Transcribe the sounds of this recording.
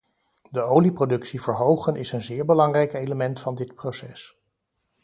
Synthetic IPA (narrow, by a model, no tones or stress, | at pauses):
dəowliprodɵksivəɹɦowχənʔɪsənzɪːɹbəlɑŋrɛjkejləmɛntfɑndɪtprosɛs